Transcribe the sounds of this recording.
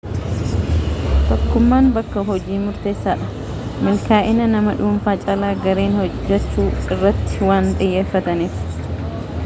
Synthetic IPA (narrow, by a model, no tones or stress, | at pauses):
t̪ɔkːʊmːaːnbɐkːɐɦɔd͡ʒiːmʊɾt̪e̞ːsːaːᶑɐ̥ | mɪlkaːʔɪnɐnɐmɐᶑʊːmfaːt͡ʃʼɐlaːɡɐɾeːnhɔd͡ʒːɛt͡ʃːuːɪrːɐt̪ːɪ̥waːnt̪ʼɪjːe̞ːfːɐt̪ɐniːf